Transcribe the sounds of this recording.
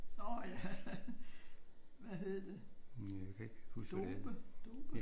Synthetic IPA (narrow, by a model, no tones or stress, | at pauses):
nɒjæ | ʋæɦe̝ðˠɐd̥e̝ækʰeɡ̥husd̥b̥əd̥oːb̥ə